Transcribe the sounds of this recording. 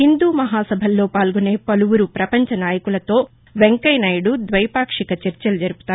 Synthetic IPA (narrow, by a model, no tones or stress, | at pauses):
hind̪uːmɐɦaːsɐbʱɐlːo̞ːpaːlɡune̞ːpɐluʋuɾupɾɐpɐɲt͡ʃɐnaːjɐkulɐt̪o̞ː | ʋeŋkɐjnaːjɐɽud̪ʋɐjpaːkʂikɐt͡ʃɐɾt͡ʃɐlud͡ʒɐɾupu̥t̪aː